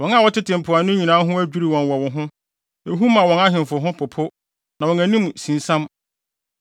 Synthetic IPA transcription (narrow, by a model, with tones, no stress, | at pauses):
wɔ̃˨na˨wɔ˦tɪ˦tʰɪ̃˨m̩˨pʰʊ˨a˨nʊ̃˦ɲĩ˨nãː˦ɦʊ̃˦æ˦d͡ʑᶣu˦ɾi˨wɔ̃˨nwɔ˨wɔ˨ɦʊ̃˦ | e˨ɦu˦mã˨wɔ̃˨na˦ɦɪ̃˨n˨fʊ˨ɦʊ̃˦pʰʊ˨pʰʊ˦ | nã˨wɔ̃˨næ˨nĩ˦m˨sĩ˨n˨sã˦m